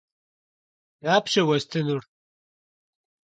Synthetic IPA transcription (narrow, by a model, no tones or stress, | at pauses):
jaːpɕewɐst̪enuɽ